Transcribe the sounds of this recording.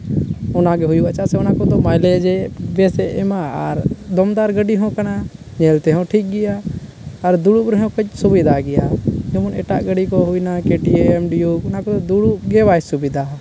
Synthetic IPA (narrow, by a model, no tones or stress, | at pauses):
ʊnaɡɛɦʊjuat͡ʃaseʊnakod̪omaːjled͡ʒebeːseʔɛmaaɾd̪ɔmd̪aːɾɡəɖiɦɔ̃kəna | ɲelt̪eɦõʈʰik̚ɡɪjaː | əɾd̪uɽubɾɦɛ̃kət͡ʃsʊbid̪ʱaɡɪjaːd͡ʒomʊnḛːʈa̰ʔɡəɖikoɦʊinakeːʈieɛmɖijuʊnakod̪od̪uɽuɡebaːsʊbid̪a